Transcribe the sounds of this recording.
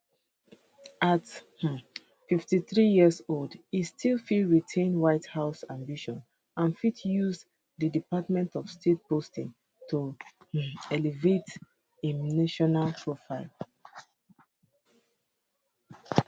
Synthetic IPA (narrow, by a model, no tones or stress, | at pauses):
ʔath̩ | fiftiθɹijiəzoldistʰilˠfidɹitʰẽnwaɪthaʊsãmbiʃɔ̃n | ãnfitʰjuz | ðədipatmɛ̃ntɔfstʰet̚postĩŋ | tu | ɛlivet | enaʃɔnalpʰɹofaɪlˠ